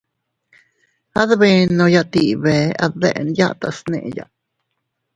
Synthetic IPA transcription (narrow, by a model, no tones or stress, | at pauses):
haðβenõjat̪iʔβɛaðɛ̰ʔnja̰ʔt̪asnḛ̃ʔja̰ʔ